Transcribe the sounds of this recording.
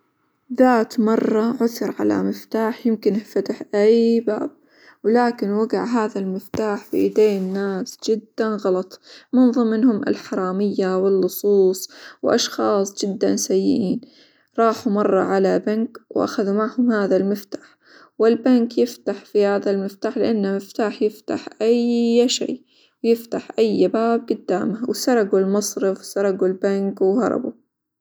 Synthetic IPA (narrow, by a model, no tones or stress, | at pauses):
ðaːt̪mɑrˤːɑʕʊθʊɾˤʕa̰la̰mɪft̪aːħjɪmkɪnɪfat̪aħʔajbaːb̚ | wɪlaːkɪnwaɡaʕɦaːðalmɪft̪aːħfḭʔɪd̪eːnːaːsd͡ʒɪd̪ːanɣɑlɑt̪ˤmʊnðˤɨmːɪnhʊmʔɪ̰lħɑɾˤɑːmɪjːawɪlːʊsˤuːsˤwʔɑ̰ʃxɑːsˤd͡ʒɪd̪ːansajːɪ̰ʔiːn | ɾˤɑːħumɑrˤːɑ̰ʕalabankwʔa̰xaðumaʕhʊmhaːðalmɪft̪ḁːħ | wɪlbankjɪft̪aħfihaːðalmɪft̪aːħlɪʔanːamɪft̪aːħjɪft̪aħʔajʃḛː | wjɪft̪aħʔajːbaːb̚ɡʊd̪ːa̰ːmahwsɑɾˤɑɡulmɑsˤɾɪfwsɑɾˤɑɡulbankwhɑ̰ɾˤɑ̰bṵ